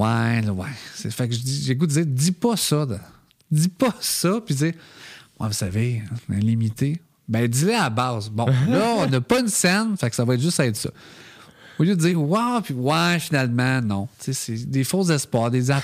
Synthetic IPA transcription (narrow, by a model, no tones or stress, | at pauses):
walwasḛfakʒəd͡ziʒeɡud̪əd͡ziːʁd͡zipʌsɔd̪ã | d͡z̪ipʌsʌpiziːʁwɛ̰vusaveɛ̰̃limit̪e | bɛ̃d̪ileabɑːzbɔ̃lʌɔ̃nɔpɔynsɛnfaksavɔɛt̪ʒʏsɛɪt̪sɔ̰ | oljød̪əd͡ziːʁwawpiwafinalmãnɔ̃t͡sesed̪efozɛspwɑːʁd̪eza